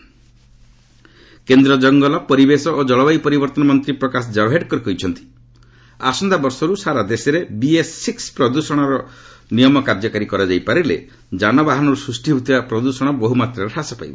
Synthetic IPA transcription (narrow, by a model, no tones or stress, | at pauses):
kend̪ɾɔd͡ʒɔŋɡɔlɔpɔɾibesɔʔod͡ʒɔɭɔbajpɔɾibɔɾt̪ɔnɔmɔnt̪ɾipɾɔkas̬ɔd͡ʒabɦeɖkɔɾikɔjt͡ʃʰɔnt̪i̥ | asɔnd̪abɔɾsɔɾusaɾad̪esɔɾebiesːikspɾɔd̪usɔɽ̃ɔɾɔnijɔmɔkaɾd͡ʒɔkaɾikɔɾɔd͡ʒajpaɾilḛ | d͡ʒanɔbaɦanɔɾusɾusʈibʱut̪ibapɾɔd̪usɔɽ̃ɔbɔɦumat̪ɾɔɾeʈʰasɔpajbɔ